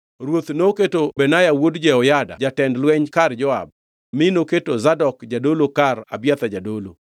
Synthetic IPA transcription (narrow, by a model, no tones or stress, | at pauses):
ɾwot̪noketobɛnajawodd͡ʒɛɔjada̰d͡ʒatɛndlwɛɲkard͡ʒɔa̰b̚ | mɪnoketozadɔkd͡ʒadolokara̰bjat̪ad͡ʒadolo̰